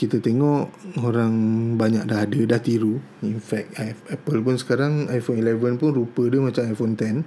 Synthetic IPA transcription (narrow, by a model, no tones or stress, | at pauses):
kit̪at̪eŋɔʔoɾaŋbaɲak̚daɦadədaht̪iɾu | infɛk̚aɛpəlp̬ʊnsə̥kaɾaŋajfonilevənpʊnrupədəmat͡ʃamajfont̪ɛn